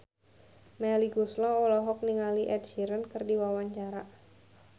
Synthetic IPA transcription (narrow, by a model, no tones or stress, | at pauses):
mɛliɡuslɔɔlaɦɔk̚niŋaliʔɛd̚ʃiɾənkɨrdiwawaɲt͡ʃaɾa